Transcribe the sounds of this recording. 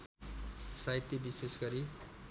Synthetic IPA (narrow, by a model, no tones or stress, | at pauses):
sait̪jibisesɡʌɾi